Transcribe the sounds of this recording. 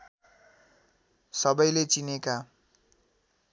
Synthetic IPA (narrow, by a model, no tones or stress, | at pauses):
sʌbʌjlet͡sineka